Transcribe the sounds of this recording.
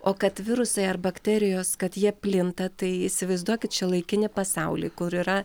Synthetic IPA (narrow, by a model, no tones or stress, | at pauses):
oːkɐt̪ʋʲɪɾʊsɐɪɐrbɐkt̪ʲɛːɾʲɪjoːskɐt̪jiɛpʲlʲɪnt̪ɐt̪ɐɪɪsʲɪʋɐɪzd̪uɔkʲɪt̪t͡ʃʲɛlˠɐɪkʲɪnʲɪpɐsɑʊlʲḭkʊɾiːɾɐ